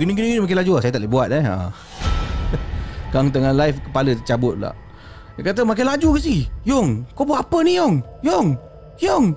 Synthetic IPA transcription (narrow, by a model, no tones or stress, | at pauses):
ɡiniɡiniɡinimakanlad͡ʒuasajat̪aʔlebuat̪̚nɛa̰ | kaŋt̪̬əŋalaɪfkəpalət̪ət͡ʃabʊt̪̚la̰ʔ | kat̪̬əmak̬alad͡ʒukas̬ijoŋkobuaʔapənijɔŋjɔŋ | jɔŋ